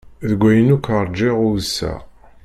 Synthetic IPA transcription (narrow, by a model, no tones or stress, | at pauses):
ðəɡʷːæjənukəɾˤd͡ʒɪʁʊwsːæ̰